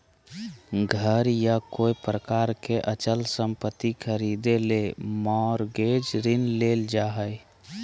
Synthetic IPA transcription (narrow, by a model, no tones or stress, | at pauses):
ɡʱəɾjakoːipɾəkaːɾkeʔət͡ʃəlsəmpət̪ːikʰəɾid̪elemɔɾɡed͡ʒɾɪnleːld͡ʒaɦəj